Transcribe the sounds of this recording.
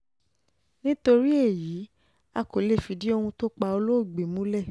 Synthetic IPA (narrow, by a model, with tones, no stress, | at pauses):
nĩ˦to˧ɾi˦e˦˨ji˨˦ | a˧ko˨le˦˨fi˨˦di˦o˧hũ˧to˦k͡pa˧o˧lo˦o˦˨ɡ͡be˨mũ˨˦lɛ˦˨